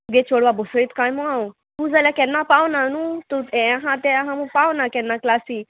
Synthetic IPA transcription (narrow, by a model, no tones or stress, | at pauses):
ɡet͡ʃoɽʋabosoit̪kãːjmũãũ | t̪ud͡zalakɛnːãpawnanũt̪uɛ̃aɦãt̪eaɦãmũpawnakɛnːaklaːsi